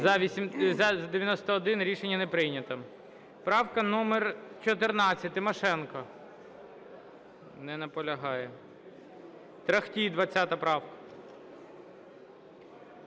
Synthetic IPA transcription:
ɐmzʲɐd̪eʋjɐnɔst̪ɐːd̪ɪnɾʲiʃenʲːɐnɛpɾɪjnʲɐt̪ɐ | pɾɑwkɐnɔmert͡ʃɔt̪ɪrnɑt͡sʲːɐt̚ʲt̪ɪmɔʃɛnkɐ | nɛnɐpɔlʲɐɦɑjɛ | t̪ɾɐxtʲid̪ʋɐt͡sʲːat̪ɐpɾɑwkɐ̥

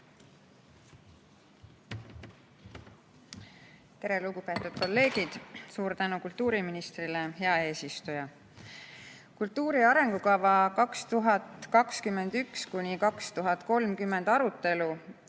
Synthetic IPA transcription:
t̪e̞ɾe̞luɡupe̞ːt̪ːˑud̪̥̚ko̞lːe̞ːɡ̥id̪̥suːɾt̪ænukult̪ːuːɾiminist̪rilehe̞ɑe̞ːsist̪ujɑ | kult̪ːuːɾiɑɾe̞ŋɡ̥ukɑvɑkɑkst̪uɦɑt̪kɑkskymːe̞nd̪ykskunʲikɑkst̪uɦɑt̪ko̞lmkymːe̞nd̪ɑɾut̪ːˑe̞lu

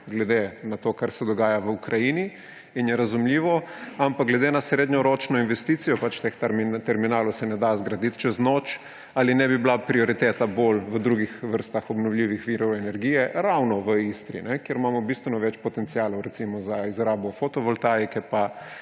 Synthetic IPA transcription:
ɡlɛd̪enat̪oːkaɾsɛd̪ɔɡaːjaʋəukɾʔajini | injɛɾazumliːʋɔampak̚ɡlɛd̪enasɾeːd̪ɲɔɾot͡ʃnɔinʋɛst̪iːt̪sijɔpat͡ʃt̪ext̪mt̪ɛɾminaːlɔwsɛnɛd̪azɡɾad̪it̪t͡ʃɛznoːt͡ʃ | alinɛbiblapɾiɔɾit̪eːt̪abolʋəd̪ɾuɡixʋəɾst̪axɔbnɔwlʲiːʋixʋiɾɔwɛnɛɾɡijɛɾawnɔʋəist̪ɾḭnɛkjeɾmamɔbist̪ʋɛnɔʋɛt͡ʃpɔt̪ɛnt̪siaːlɔwɾɛt̪simɔzaizɾaːbɔfot̪ɔʋɔlt̪aːjkɛpa

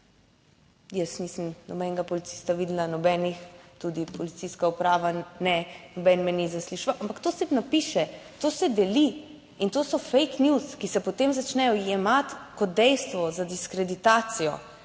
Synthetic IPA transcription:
jəsniːsəmnɔbɛŋɡapɔlit̪si̥ːst̪aʋiːd̪lanɔbɛːnixt̪uːd̪ipɔlit̪siskaupɾaːʋanɛnɔbɛnmɛnizasliʃʋaʔampakt̪osɛnapiːʃɛt̪oːsɛd̪ɛli | int̪oːsɔfejknjuskisɛpɔt̪emzat͡ʃnɛjɔjɛmat̪kɔt̪̚d̪ɛjst̪ʋɔzad̪iskɾɛd̪it̪aːt̪sijɔ̰

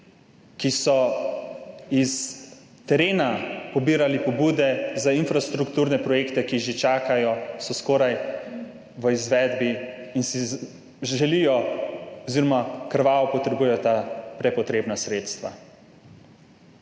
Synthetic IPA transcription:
kisɔ | is | t̪ɛɾeːnapɔbiːɾalipɔbuːd̪ɛzainfɾast̪ɾukt̪uːɾnɛpɾɔjeːkt̪ɛkiʒet͡ʃaːkajɔsɔskoːɾaj | ʋəizʋɛːd̪biːnsi | ʒɛlijɔɔziːɾɔmakəɾʋaːʋɔpɔt̪ɾɛbuːjɛjɔt̪apɾɛpɔt̪ɾeːbnasɾeːt̪st̪ʋa̰

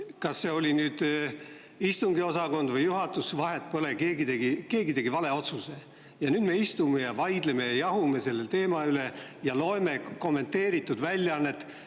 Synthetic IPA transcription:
kɑsːe̞o̞lʲinyːd̪̥ | ist̪uŋɡ̥io̞sɑko̞nd̪vɤjːuɦɑt̪ːˑusvɑɦe̞t̪̚ːpolekeːɡit̪eɡike̞ːɡit̪e̞ɡivɑle̞o̞t̪suse̞ | jɑnyːd̪̥me̞ist̪ume̞jɑvɑjd̪̥leme̞jɑjɑɦume̞se̞lːelt̪e̞ːmɑyle̞jɑlo̞eme̞ko̞mːe̞nt̪ːe̞ːɾit̪ːˑud̪̥vælʲːjɑɑnːe̞t̪ː

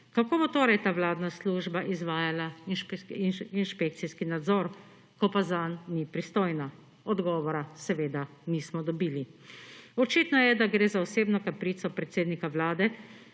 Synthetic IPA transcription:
kakoːbot̪oːɾajt̪aːʋlaːd̪nasluːʒbaʔizʋaːjalaʃpiinʃpek̚t̪siskinad̪zɔɾ | kɔpazanːipɾist̪oːjna | ɔd̪ɡɔːʋɔɾasɛʋeːd̪anismɔd̪ɔbiːli | ɔt͡ʃiːt̪nɔjɛd̪aɡɾeːzaɔseːbnɔkapɾiːt̪sɔpɾɛt̪seːd̪nikaʋlaːd̪ɛ

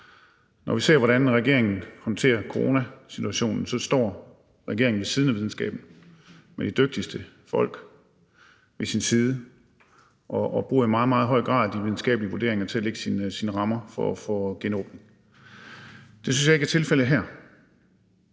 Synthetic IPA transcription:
nɒʋise̝ɐ̰ʋɒɾænʁɛɡ̥e̝ɐ̰e̝ŋn̩hɒ̽nt͡sʰe̝̰ːɐkʰoʁo̝næsit͡sʰuæɕo̝̰ːnn̩sɒ̽sd̥ɒ̰ː | ʁɛɡ̥e̝ɐ̰eŋn̩ʋe̝siðˠn̩æʋiðˠn̩sɡɛ̰ːb̥n̩ | med̥id̥øɡ̥̚d̥isd̥ə | fɒ̽l̰ɡ̥ | ʋe̝sinsiːð̞ˠə | ʔɒ̽ːb̥ʁuːɐimɑ̈ːð̩ˠmɑːð̞̩ˠɦɒ̽ɪ̰ɡ̥ʁɑ̈ːðˠd̥iʋið̞ˠn̩sɡ̥ɛ̰ːb̥liəʋud̥e̝ɐ̰e̝ŋɐt͡sʰe̝æleɡ̥ə̥sinsinəʁɑ̈mɐfɒfɔɡ̥enɔ̰̽ːb̥ne̝ŋ | d̥e̝synsjɑ̈eɡæɐt͡sʰe̝lfel̰əɦæɐ̰

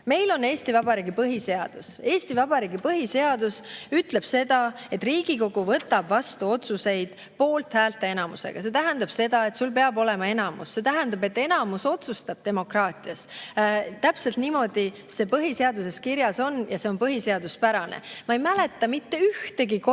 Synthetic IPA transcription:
me̞jlo̞ne̞ːst̪ivɑbɑɾiːɡipɤɦise̞ɑd̪̥use̞ːst̪ivɑbɑɾiːɡipɤɦise̞ɑd̪usyt̪ˑle̞b̥se̞d̪̥ɑe̞t̪ːˑriːɡ̥iko̞ɡ̥uvɤt̪ːˑɑb̥vɑst̪uo̞t̪suse̞jd̪̥ | po̞ːlt̪hæːlt̪ːˑe̞e̞nɑmṵsḛɡ̥ɑse̞t̪æɦænd̪ɑb̥se̞d̪ɑe̞t̪sulpe̞ɑbo̞le̞mɑe̞nɑmṵsːe̞t̪æɦænd̪̥ɑbe̞t̪ːˑe̞nɑmuso̞t̪sust̪ɑb̥̚t̪e̞mo̞krɑːt̪ˑiɑs | t̪ːæpse̞lt̪nimo̞d̪̥i | se̞ːpɤɦise̞ɑd̪use̞skiɾjɑso̞njɑse̞o̞npɤɦise̞ɑd̪̥uspæɾɑnḛmɑejmæle̞t̪ːɑmit̪ːe̞yht̪e̞ɡik

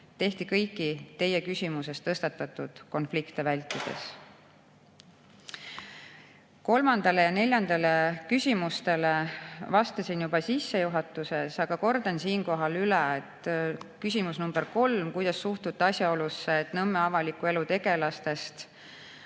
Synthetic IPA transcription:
t̪e̞ht̪ikɤjkːˑit̪e̞jːe̞kysʲimuse̞st̪ɤst̪ɑt̪ːˑɑt̪ːˑud̪̥ko̞nflikt̪e̞vælʲt̪ːˑid̪̥e̞̰s | ko̞lmɑnd̪̥ɑle̞jɑne̞lʲjɑnd̪̥ɑle̞kysʲimust̪e̞le̞vɑst̪ɑsinjubɑsisːe̞juɦɑt̪ːˑuse̞sɑɡ̥ɑko̞rd̪̥ɑnsiːnko̞ɦɑlyleet̪ːkys̬ʲimusnumb̥eɾko̞lmkujd̪̥ɑsːuht̪ut̪ːɑsjɑo̞lusːeːt̪nɤmːeɑvɑlikːˑue̞lut̪e̞ɡ̥e̞lɑst̪e̞st̪

